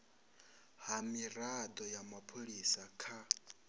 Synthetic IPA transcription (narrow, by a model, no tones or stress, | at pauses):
hamiɾad̪ɔjamapʰoɺisakʰa